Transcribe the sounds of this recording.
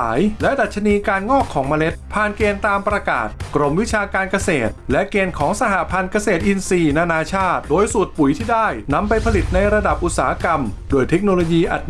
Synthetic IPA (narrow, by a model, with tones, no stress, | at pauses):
aː˩˦jlɛ˦˥da˨t̪̚t͡ɕʰa˧niː˧kaː˧nŋɔː˥˩kʰːɔː˩˦ŋmaː˧le˦˥t̪̚pʰaː˨˩nkeː˧nt̪aː˧mpɾa˧ka̰ː˨˩t̪̚kɾo˧mwi˦˥t͡ɕʰaː˧kaː˧nka˧seː˨˩t̪̚lɛ˦˥ʔkeː˧nkʰɔː˩˦ŋsa˧ɦa˨˩pʰa˧nka˧seː˨˩t̪ʔi˧nsiː˧naː˧naː˧t͡ɕʰaː˥˩t̪̚doː˧jsu˨˩t̪̚pu˩˦jt̪ʰiː˥˩daː˥˩jna˧mpa˧jpʰa˧li˨˩t̪̚na˧jɾa˧da˨˩p̚ʔu˨˩t̪̚saː˩˦a˦˥ka˧mdoː˧jt̪ʰe˦˥k̚noː˧loː˧jiː˧ʔa˨˩t̪̚